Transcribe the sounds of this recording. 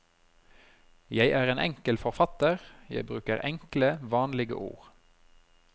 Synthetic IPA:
jæɪʔæːʁeːnʔɛŋkəlfɔʁfɑt̪əʁjæ̰ɪbʁʉːkəʁɛŋkləʋɑːnlɪɡə̰ʔṵːʁ

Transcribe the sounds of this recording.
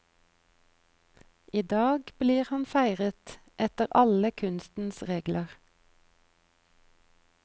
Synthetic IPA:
iːd̪ɑːɡbliːʁhɑnfæɪʁət̪ | ʔɛt̪əʁʔɑləkʰʉnst̪n̩sʁeːɡləʁ

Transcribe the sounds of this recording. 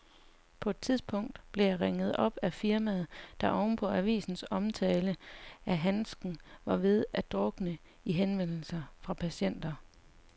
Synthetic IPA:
pʰɒ̽e̝d̥̚t͡sʰiðˠsb̥ʰɔ̽ŋ̰d̥b̥le̝jɑ̈ʁeŋəð̞̩ˠɒ̽b̥æfiɐmæð̞̩ˠd̥ɑ̈ʔɒʊnpʰɒ̽æʋḭːsn̩sɒ̽mt͡sʰɛːləʔæɦænsɡ̥n̩ʋɑ̈ʋe̝ð̞ˠæd̥ʁɔɡ̥nə | iɦenʋen̰l̩sɐfʁɑ̈pʰæɕen̰d̥ɐ

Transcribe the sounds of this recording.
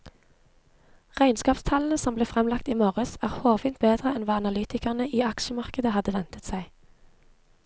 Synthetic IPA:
ʁæɪnskɑːpst̪ʰɑln̩əsɔmbleːfʁɛmlɑkt̪iːmoːʁəsæːʁhoːʋiːnt̪̚beːd̪ʁəɛnʋɑːɑnɑlyːt̪ɪkɑʁnəʔiːɑkʃəmɑʁkəd̪əhɑd̪ːəʋɛnt̪ət̪sæɪ

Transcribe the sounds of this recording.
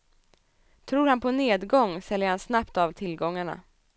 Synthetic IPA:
t̪ʰɾuːɾhanpʰɔneːd̪ɡɔŋːsɛljəɾhansnapt̪avt̪ʰɪlɡɔŋːaɳa̰

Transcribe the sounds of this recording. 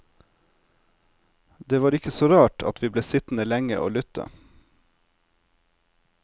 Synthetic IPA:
d̪eːʋɑːɾɪkəsoːɾɑːʈʰɑ̰t̪ʋiːbleːsɪt̪n̩əlɛŋə̰ʔo̰ːlʏt̪ə̰

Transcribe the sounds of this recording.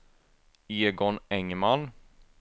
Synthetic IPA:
eːɡɔnɛŋman

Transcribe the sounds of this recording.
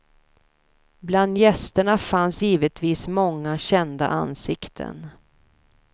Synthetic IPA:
bland̪jɛst̪əɳafansjiːvət̪viːsmɔŋːaɕɛnd̪a̰ʔa̰nsɪkt̪ʰə̰n

